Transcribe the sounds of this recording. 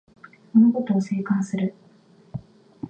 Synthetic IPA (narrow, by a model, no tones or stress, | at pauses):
monoko̞t̪oːse̞ːkãɰ̃sɨɾɯ̟